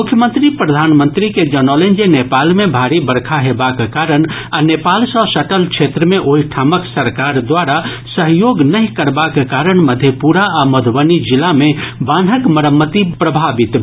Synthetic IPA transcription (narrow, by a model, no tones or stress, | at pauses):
mʊkʰjəmənt̪ɾipɾəd̪ʱanmənt̪ɾiked͡ʒənɔlẽnd͡ʒenepalmebʱaɾibəɾkʰaɦebakekaɾəɳ | anepalsə̃səʈəlkt͡ʃʰet̪ɾəmeʔoɦiʈʰaməksəɾkaɾd̪waɾa | səɦjoɡnəɦĩkəɾbakekaɾəɳməd̪ʱjepuɾaaməd̪ʱʋənid͡ʒilamebanɦəkməɾəmːət̪ipɾəbʱabit̪